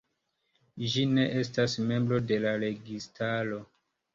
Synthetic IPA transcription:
ʒine̞ʔe̞stasme̞mbɾo̞de̞laɾe̞ɡistʰalo̞

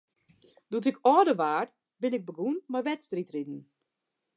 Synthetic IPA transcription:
dut̬ɪkʰɔːdəʋaːrt | bɪnɪɡ̚bəɡunmajʋɛtstritridn̩

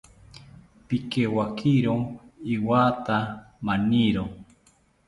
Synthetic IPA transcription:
pikewakʰiɾoiwaːt̪a | mãniɾo

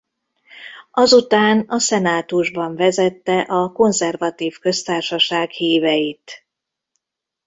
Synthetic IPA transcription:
ɒzut̪aːnɒsɛnaːt̪uʒbɒɱvɛzɛt̪ːɛʔɒko̞nzɛrvɒt̪iːfkø̞st̪aːrʃɒʃaːɡhiːvɛjit̪

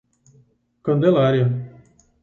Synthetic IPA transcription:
kɐ̃nd̪elaɾjɐ

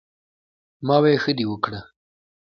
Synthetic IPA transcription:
mɑwajexəd̪iwəkɽa

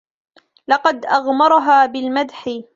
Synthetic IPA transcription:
lɑqɑd̪ʔaɣmɑɾˤɑɦaːbɪlmad̪ħɪ

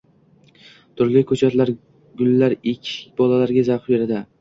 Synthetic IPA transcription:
t̪ʰʊɾlɪkʰɵt͡ʃʰat̪laɾ | ɡʊlːaɾɪkʲʰːɪ̥kʲbɒlalaɾɡʲazabeɾad̪ɪ

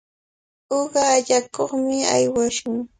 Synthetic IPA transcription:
oɢɑʎakoχmɪa̰jwaʃʊŋ

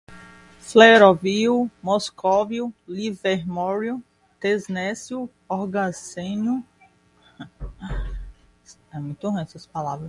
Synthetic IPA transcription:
fleɾoviumɔskovjʊliveɾmɔɾju | t̪eznɛsju | ɔɾɡazẽnʊ | sɛmũj̃t̪uɦẽsɐspalavɾɐs

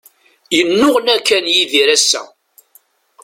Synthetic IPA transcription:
jənːʊʁnækːænjiðiɾæsːæ̰

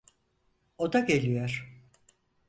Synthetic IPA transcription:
o̞d̪aɟelʲijoɾ̥

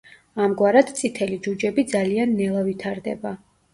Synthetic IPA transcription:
amɡwaɾad̪t̪sʼit̪ʰɛlid͡ʒud͡ʒɛbid̪zalianːɛlˠavit̪ʰaɾd̪ɛ̰ba

